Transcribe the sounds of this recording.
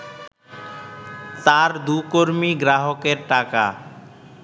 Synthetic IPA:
t̪aɾd̪ukoɾmiɡɾaɦokeɾʈaka̰

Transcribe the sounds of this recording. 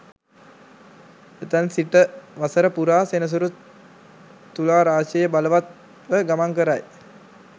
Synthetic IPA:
et̪ansiʈəʋasəɾəpuɾaːsenəs̬uɾu | t̪ːulaːɾaːʃejəbaləʋat̪̚ | ʋəɡamaŋkəɾaj

